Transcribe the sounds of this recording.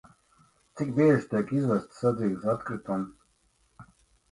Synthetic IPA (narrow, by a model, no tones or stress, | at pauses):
t̪sikbiɛʒt̪iɛkizvɛst̪sad̪ziːɡsat̪kɾit̪un